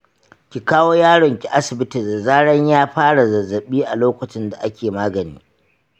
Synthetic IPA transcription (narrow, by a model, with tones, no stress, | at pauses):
kʲi˨kaː˦woː˦jaː˦ɽɔ˨ŋkʲi˨ʔa˦sɪ˨bɪ˦ti˨zɐ˨zaː˦ɽɐ˦ɲjaː˦ɸaː˦ɽa˨zɐ˨zːɐ˨ɓiː˦ʔa˨loː˦kʷʊ˨t͡ʃɪ˦nda˨ʔa˦kʲeː˨maː˦ɡɐ˨nḭː˦